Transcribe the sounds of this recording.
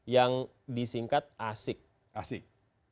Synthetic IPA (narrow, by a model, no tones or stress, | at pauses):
jaŋ | disiŋkat̪̚ʔasɪk̚ | asɪk̚